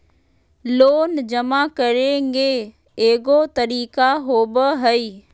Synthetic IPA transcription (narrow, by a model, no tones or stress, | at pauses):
loːnd͡ʒɐmakɐɾẽːŋɡe | eːɡot̪ɐɾiːkaɦoːbəɦəi